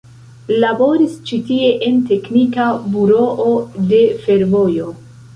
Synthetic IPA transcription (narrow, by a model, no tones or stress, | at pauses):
labo̞ɾist͡ʃitie̞ʔente̞knikabuɾo̞ʔode̞fe̞ɾvo̞jo̞